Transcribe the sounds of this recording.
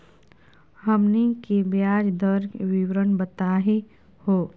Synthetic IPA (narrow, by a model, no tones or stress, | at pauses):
ɦəmnikebjaːd͡ʒd̪əɾkwɪwɾənbət̪aːɦi | hoː